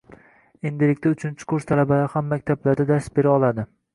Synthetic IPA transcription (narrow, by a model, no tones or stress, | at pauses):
e̞nd̪ɪlɪk̚ʲt̪aʊt͡ʃʰɪnt͡ʃʰɪ̥kʰʊɾst̪ʰalabalaɾhamːakʲt̪ʰablaɾd̪ad̪ast̪be̞ɾaɒlˠad̪ɪ